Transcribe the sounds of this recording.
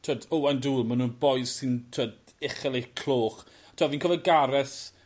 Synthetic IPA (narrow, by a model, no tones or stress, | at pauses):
tʰədoanduːmanuːnbɔɨðsɪntʰəd | ɪχɛlˠejkʰl̥ˠoːχ | tʰwaviːnkʰɔvɛɡaɾɛθ